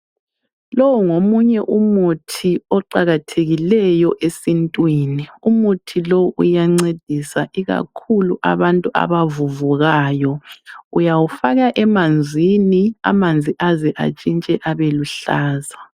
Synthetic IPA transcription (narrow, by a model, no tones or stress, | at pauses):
lowuŋomuɲɛʔumutʰiɔǃaɣatʰeɣilɛjɔʔesintʼwiːniumutʰilowuʔṵjaŋ͡ǀed̥ʱisaʔiɣa̰kʰuluʔa̰βantʼua̰βavuvuɣaːjɔujawufaɣaʔɛmand͡zʱinia̰mand͡zʱiʔaziʔa̰t͡ʃʼint͡ʃʼɛʔaβeluɬaːza